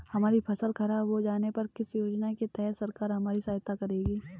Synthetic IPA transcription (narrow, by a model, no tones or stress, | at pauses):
hɐmaːɾipʰɐsəlkʰɐɾaʋod͡ʒaːnepɐɾkɪsjoːd͡ʒnaket̪ɛɦt̪sɐɾkaːɾɦɐmaːɾisaːɦt̪akɐɾeːɡiː